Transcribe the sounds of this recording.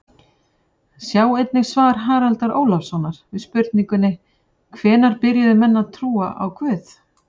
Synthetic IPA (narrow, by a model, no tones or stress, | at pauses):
sjaːwejt̪̚nɪɣsvaːɾ̥ɦaːɾalt̪aɾoːwlafsɔnːaɾ̥ɪðspʏɾt̪niŋkʏnːɪ | kʰvɛːnaɾpɪɾjaðʏmɛnːaðt̪ʰɾuːa̰ʔa̰wkʰvœːθ